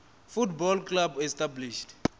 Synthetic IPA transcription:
futbɔlklabɛstabliʃt

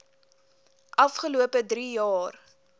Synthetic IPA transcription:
ʔɐfχəluəpədɾijɑːr

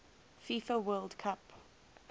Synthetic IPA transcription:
fifəwɜːlˠdkʰap

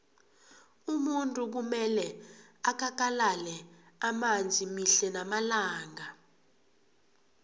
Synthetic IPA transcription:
umuntʼuk̬umɛlɛakʰak̬alalɛ | amand͡zʱimiɬɛnamalaːŋa

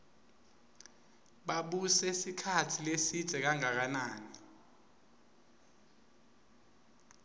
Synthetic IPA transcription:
ɓaɓusɛisikʰatʰilesid̥z̥ʱɛk̬aŋak̬anaːni

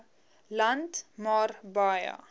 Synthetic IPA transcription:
lantmɑːrbaja̰

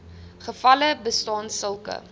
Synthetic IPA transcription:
χəfɐləbəstɑːnsəlˠkə̰

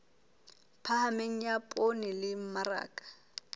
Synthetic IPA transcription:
pʰahameŋ̩japʼonɪlɪm̩mara̰ːkʼḁ

